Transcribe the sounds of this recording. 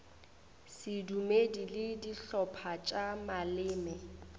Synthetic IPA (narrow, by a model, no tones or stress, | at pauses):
sɪdumedilɪdiɬɔpʰat͡ʃʼamalɪːmɛ